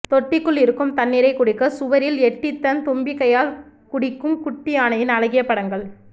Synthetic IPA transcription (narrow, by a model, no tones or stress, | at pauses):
t̪ɔʈːɪkːɯɭɪɾɯkːɯmt̪ɐnːɪɾɐɪkːʊɽɪkːɐsʊʋɐɾɪlɛʈːɪt̪ːɐnt̪ʊmbɪkːɐjaːl | kʊɽɪkːɯmkʊʈːɪjaːnɐjɪnɐlɐɣɪjɐpːɐɽɐŋɡɐɭ